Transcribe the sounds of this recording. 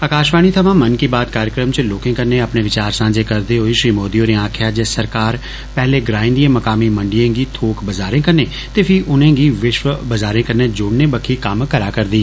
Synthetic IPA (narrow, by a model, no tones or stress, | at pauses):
əkaːʃʋaːñit̪ʰəʋãːmənkibaːd̪̚kaːɾjəkɾəmt͡ʃloːkɪ̃kəɾneəpneʋɪt͡ʃaːɾsãːd͡ʒeːkəɾd̪eɦoːiʃɾiːmoːd̪iõːɾẽãːkʰjaːd͡ʒesəɾkaːɾ | pɛɦleɡɾãːɪ̃nd̪iẽːməkaːmimə̃ɳɖijẽːɡit̪ʰoːkʰbəzaːɾẽːkəɾneː | t̪epʰɪiʔʊnẽːɡiːʋɪʃʋəbəzaːɾẽːkəɾneːd͡ʒʊːɽneːbəkʰikəmkəɾaːkəɾd̪iː